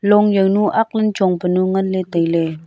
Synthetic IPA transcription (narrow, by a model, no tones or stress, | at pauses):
lɔŋjəwnuʔak̚lənt͡ʃɔŋpənuŋanletəjle